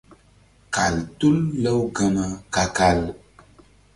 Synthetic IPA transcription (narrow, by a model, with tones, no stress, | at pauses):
ka˨ltu˦lːə˦wɡə˦na˦ka˨ka˨l